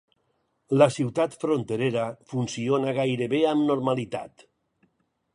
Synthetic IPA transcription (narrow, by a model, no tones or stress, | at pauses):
lasiwt̪at̪fɾont̪eɾeɾafunsionaɣajɾeβeamnoɾmalit̪a̰t̪